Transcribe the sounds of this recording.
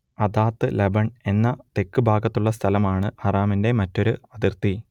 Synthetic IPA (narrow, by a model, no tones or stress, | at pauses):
ɐd̪aːt̪ːɨlebɐɳe̞nːɐt̪e̞kːɨbʱaːɡɐt̪ːuɭːɐst̪ʰɐlɐmaːɳɨɐraːminde̞mɐtːo̞ɾuɐd̪irt̪i